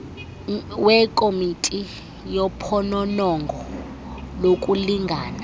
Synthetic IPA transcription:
wɛkʼomitʼi | jɔpʰɔnɔnɔŋɡʱɔ | lokʼuliŋɡʱa̰ːna

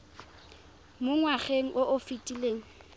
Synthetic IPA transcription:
mʊŋwaχeŋ̩ʔʊʔʊfitʼileːŋ̩

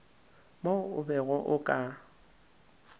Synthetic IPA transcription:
moʊbɛɣʊʔʊkʼa

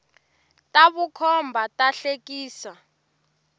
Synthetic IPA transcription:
tʼaβukʰɔmbʱatʼaɬekʼiːsa

